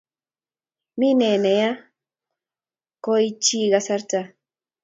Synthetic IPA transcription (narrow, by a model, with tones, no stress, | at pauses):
mi˦nɛ˨nɛ˨ja˦ | kɔ˦i˦t͡ʃi˦ɡa˨sa˦ɾta˦